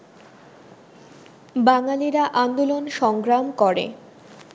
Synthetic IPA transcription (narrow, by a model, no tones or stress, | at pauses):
baŋaliɾaʔand̪olonʃɔŋɡɾamkɔɾḛ